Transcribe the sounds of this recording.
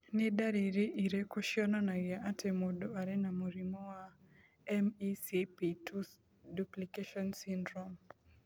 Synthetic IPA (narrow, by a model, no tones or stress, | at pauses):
nɪdaɾiɾiʔiɾɛkɔʃjɔnanaɡiaʔatʰɛmɔdoaɾɛnamuɾimɔwa | ɛmisipitʰu | duplikeʃɔnsindɾɔm